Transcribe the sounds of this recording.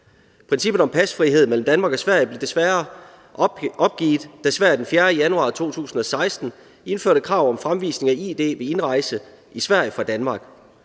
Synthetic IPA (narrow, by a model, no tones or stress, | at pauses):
pʰʁɛnsib̥ð̩ˠɒ̽mpʰæsfʁiɦe̝ð̰ˠmel̰m̩d̥ænmɑ̈ːɡ̥ɒ̽sʋæɐ̰jb̥le̝d̥e̝sʋæɐ | ɒ̽b̥̚ɡ̥ḭːð̥ˠd̥æsʋæɐ̰jd̥enfjæːɐəjænuɑ̰̈ːt͡sʰo̝̰ːt͡sʰṵːsn̩ɒ̽sɑ̈ɪsd̥n̩ | e̝nføɐ̰ɾəkʰʁɑ̈ʊ̰ɒ̽mfʁamʋḭːsne̝ŋæid̥e̝̰ːʋe̝e̝nʁɑ̈ɪsə | ʔisʋæɐ̰jfʁɑ̈d̥ænmɑ̈ːɡ̥